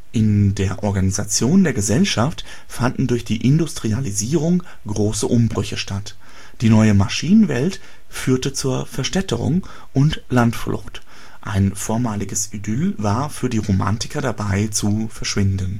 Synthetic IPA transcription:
ʔɪndeːɐʔɔɐɡanizat͡sjoːndeːɐɡəzɛlʃaft | fandn̩dʊɐçd̥iːʔɪndʊstʁ̥ializiːʁ̞ʊŋ | ɡʁoːsəʔʊmbʁʏçəʃtat | d̥iːnɔʏəmaʃiːnənvɛ̰lt | fyːɐtət͡suːɐfɛɐʃtɛtəʁʊ̰ŋ | ʔʊntlantflʊ̰xt | ʔa̰ɪnfoːɐmaːlɪɡəsʔidʏlvaːɐfyːɐdiːʁoma̰ntɪ̥kɐɾabaɪt͡sufɛɐʃv̥ɪndən

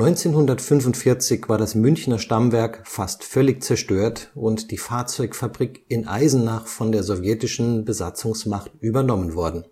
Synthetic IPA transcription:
nɔʏnt͡seːnhʊndɐtfʏnvʊntfɪɐt͡sɪçv̥aːɐdasmʏnçnɐʃtamvɛɐkfastfœlɪçt͡sɛɐʃtøːɐtʊntd̥iːfaːɐt͡sɔʏkfabʁikɪnʔa̰ɪzn̩naːχfɔndeːɐzɔvjɛtɪʃn̩bəzat͡sʊŋsmaχtʔyːbɐnɔmənvɔɐdn̩

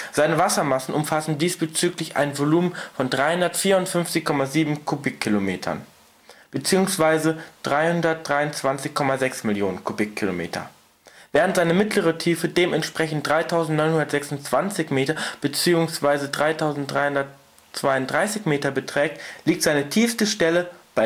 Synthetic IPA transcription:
z̥aɪnəvasɐmasn̩ʔʊmfasn̩diːsb̥ət͡syːklɪçʔa̰ɪnvoluːmfɔndʁaɪhʊndɐtfiːɐʊntfʏnft͡sɪçkʰɔmaziːbm̩kʰobɪkʰːilomeːtʰɐ̰n | b̥ət͡siːʊŋsv̥aɪzəd̥ʁaɪhʊndɐt̚d̥ʁaɪʊnt͡sv̥ant͡sɪçkʰɔmazɛksmɪljoːnənkʰobɪkʰːilomḛːtʰɐ̰ | vɛːʁ̞əntz̥aɪnəmɪtləʁətʰiːfədeːmʔɛntʃpʁ̥ɛçn̩t̚d̥ʁaɪtʰaʊzntnɔnhʊndɐtz̥ɛksʊnt͡sv̥ant͡sɪçmeːtɐb̥ət͡siːʊŋsv̥aɪzədʁaɪtʰaʊzn̩t̚d̥ʁaɪhʊndɐt̚ | t͡sv̥aɪʊntdʁaɪsɪçmeːtɐbətʁ̥ɛːk̚tliːktz̥aɪnətʰiːfstəʃtɛləb̥aɪ

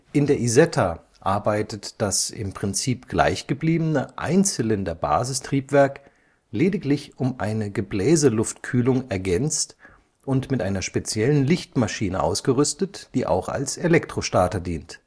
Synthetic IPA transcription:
ʔɪndeːɐʔizɛtʰa | ʔaɐbaɪtətd̥asɪ̰mpʁ̥ɪnt͡siːpɡ̥la̰ɪçɡ̥əbliːbənəʔa̰ɪnt͡sələndɐba̰ːzɪstʁ̥iːpv̥ɛɐk | leːdɪklɪçʊmʔaɪnəɡəblɛːzəlʊftkʰyːlʊŋɛɐɡɛnt͡st | ʔʊntmɪtʔaɪnɐʃpet͡sjɛlənlɪçtmaʃiːnəʔa̰ʊsɡ̥əʁʏstətd̥iːʔa̰ʊxa̰lselɛktʁ̥oʃtaːtɐdiːnt

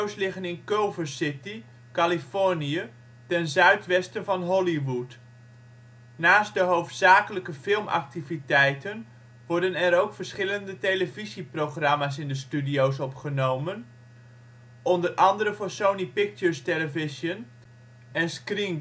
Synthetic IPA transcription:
owslɪχənɪnkowvəsɪti | kalifɔɹniə | tɛnzœɥtʋɛstənvɑnɦɔliʋut | naːst̚dəɦowftsaːkələkəfɪlˠmɑ̰k̚tivitɛjtən | ʋɔɹdənɛɾowkfərsχɪləndətejləviziproχrɑmas̬ɪndəstydiowsɔpχənowmən | ɔndərʔɑndəɾəvoːsownipɪk̚t͡ʃəɹsteləvɪsjən | ɛnskriŋ

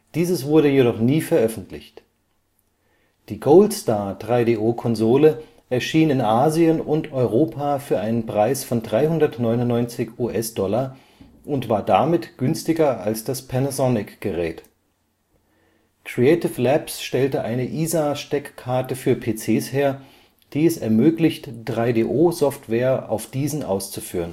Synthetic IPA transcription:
d̥iːzəsv̥ʊɐɾəjedɔχniːfɛɐʔœfn̩tʰlɪ̰çt | d̥iːɡoʊltstaːɐd̥ʁaɪdeːʔoːkʰɔnzoːlə | ʔɛɐʃiːnɪnʔaːziənʊntɔʏʁ̞oːpʰaːfyːɐʔaɪnənpʁ̥aɪsfɔndʁaɪhʊndɐtnɔʏnʊnnːɔʏnt͡sɪçuːʔɛsd̥ɔla | ʔʊntv̥aːɐdamɪtɡ̥ʏnstɪɡɐalsd̥aspʰɛnasɔnɪkɡ̥əʁɛːt | kʁ̥iɛɪtɪflɛpsʃtɛltəʔaɪnəʔiːzaʃtɛkkʰːaɐtəfyːɐpʰeːt͡seːsheːɐ | d̥iːɛsɛɐmøːklɪçtd̥ʁaɪdeːʔoːzɔftv̥ɛːɐʔa̰ʊfd̥iːzn̩ʔa̰ʊst͡sufyːʁən

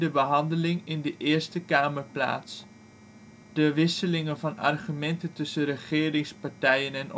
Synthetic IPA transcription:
dəbəɦɑndəlɪŋɪndəʔɪːɹstəkaːməɹpla̰ːts | d̥əʋɪsəlɪŋənvɑnɑ̰rχymɛntəntɵsənrəχɪːɾɪŋspɑɹtɛjənɛn

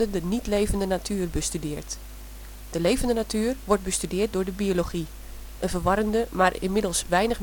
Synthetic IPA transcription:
ədənitlejvəndənatʰyːrbəstydɪːrt | d̥əlejvəndənatʰyːrʋɔrt̚bəstydɪːrt̚dʊːɹdəbioloɣi | ʔənvərʋɑɾəndəmarɪ̰nmɪdəlˠsʋɛjnəx

